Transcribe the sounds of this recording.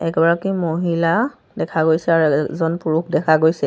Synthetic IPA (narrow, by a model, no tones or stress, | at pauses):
ɛkɛbaɹɔkimoɦila | dɛkʰaɡojsɛaɹzɔnpuɹukdɛkʰaɡojsɛ